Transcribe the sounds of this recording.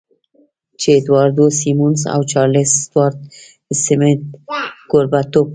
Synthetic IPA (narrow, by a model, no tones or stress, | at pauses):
t͡ʃed̪wɑɾd̪osimunsa̰wt͡ʃɑɾlɪsd̪wɑɾt̪̚ | sɪmɪt̪̚ɡ̥oɾbat̪op̚